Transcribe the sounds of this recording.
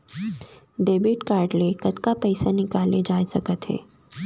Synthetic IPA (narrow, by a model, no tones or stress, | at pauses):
ɖebiʈkaːɾɖlekət̪kapəjsanɪkaled͡ʒajsəkət̪ɦḛ